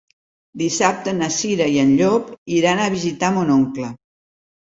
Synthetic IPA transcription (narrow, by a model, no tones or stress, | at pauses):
d̪isap̚t̪ənəsiɾəiənʎɔpiɾanəβ̞izit̪amonoŋklə